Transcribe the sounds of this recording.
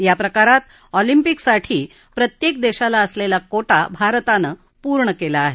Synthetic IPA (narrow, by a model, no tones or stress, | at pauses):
japɾəkaɾat̪ | ɔlimpiksaʈʰiː | pɾət̪jek̚d̪eɕalaəslelakoʈabʱaɾt̪anə | puɾɳəkelaːɦe